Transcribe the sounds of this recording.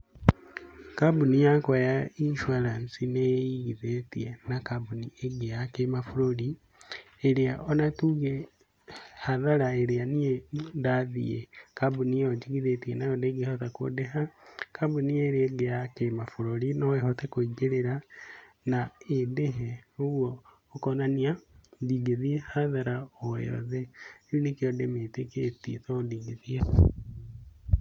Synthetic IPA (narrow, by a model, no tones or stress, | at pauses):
kabunijakwajainʃuaɾansinejjiɣiðetḭenakabunieɡejakemafuɾoli | eɾiaʔonatuɣe | haðaɾaeɾianijedaðḭjḛkabunijod͡ʒiɣiðetienajodeɡihotako̰deɦakabunieɾeɡeakemafoɾoɾinoeɦotekoiɡeɾeɾa | naedeɦeoɣwoː | konaniadiɡeðiehaðaɾaoḛɾo̰ðeonikeodemeteketitodiːɡiðie